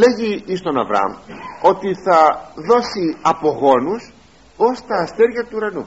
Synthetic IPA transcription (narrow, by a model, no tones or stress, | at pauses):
le̞ʝiist̪o̞nɐ̰vɾɐ̰mo̞t̪iθɐðo̞siɐpo̞ɣo̞nus | o̞st̪ɐːst̪eɾʝɐt̪uːɾɐnu